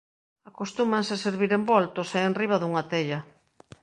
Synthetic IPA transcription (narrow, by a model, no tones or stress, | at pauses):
akost̪umanseseɾβiɾembɔlt̪oseːnriβ̞aðuŋat̪eʎɐ